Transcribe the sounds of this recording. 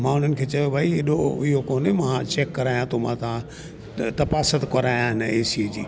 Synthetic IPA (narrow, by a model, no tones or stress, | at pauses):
mãːʊn̤ənɪ̆kʰeːt͡ɕɐjobʱaːiɦɪɗoɪɦokoːnemãt͡ɕeːkːɐɾaːjãt̪ʰomãːt̪ʰã | t̪ɐpaːsət̪kɐɾaːjãɦɪnəeːsied͡ʑḭː